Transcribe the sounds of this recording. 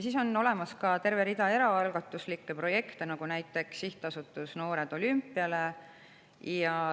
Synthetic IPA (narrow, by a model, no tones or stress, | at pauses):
siːso̞nːo̞le̞mɑskɑt̪e̞rve̞ɾid̪ɑe̞ɾɑɑlɡɑt̪ːˑuslikːe̞pro̞je̞kt̪enɑɡunæjt̪ːˑe̞ksːiht̪ˑɑsut̪ːˑusno̞ːɾe̞d̪̥o̞lympːˑiɑle̞ | jɑ